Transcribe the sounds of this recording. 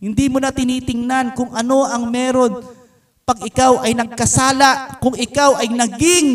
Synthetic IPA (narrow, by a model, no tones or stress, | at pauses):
hɪnd̪iːmʊnat̪ɪniːt̪ɪŋnankʊŋʔɐno̞ʔɐŋmɛːɾo̞n | pɐɡʔɪkawʔɐjnɐɡ̚kɐsaːlaʔkʊŋɪkawʔɐjnɐɡɪŋ